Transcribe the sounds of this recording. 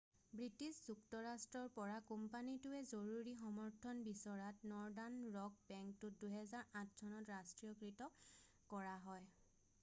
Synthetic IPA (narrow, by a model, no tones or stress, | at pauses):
bɹitiszuktɔɹastɹɔɹpɔɹakumpanitʊɛzoɹuɹixɔmɔɹtʰɔnbisɔɹatnɔɹdanɹɔk̚bɛŋk̚tʊt̚duɦɛzaɹãt̚ʰsʰɔnɔtɹastɹiɔkɹitɔ | kɔɹaɦɔj